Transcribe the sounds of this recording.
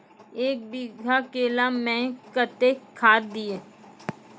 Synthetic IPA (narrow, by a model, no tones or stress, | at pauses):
eːk̚biɡʱakeːlamɛ̃ːkət̪ekʰaːt̪d̪ieː